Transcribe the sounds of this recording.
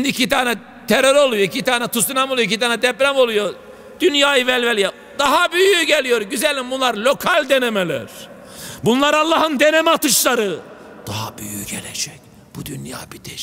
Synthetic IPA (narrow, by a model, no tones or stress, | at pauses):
nd̪iːcʰit̪aːnɛ | t̪ʰeɾøɾo̞lˠujoicʰit̪aːnɛt̪ʰusinamolˠjoicʰit̪aːnɛd̪ɛplʲamo̞lˠujo̞ɾ | d̪̥ynjaːjɯvɛlʲvɛlʲja | d̪aɦabyjyɟelʲijo̞ɾɟyzɛlʲimbunlˠaɾlʲo̞kʰalʲd̪enemelʲæ̰ɾ̥ | bunlˠaɾalˠːaːɦɯnd̪enɛmat̪ɯʃlˠaɾɯ | d̪̥aɦabyjyɟḛlɛd͡ʒɛc | b̥ud̪ynja̰ːbid̪ʰɛ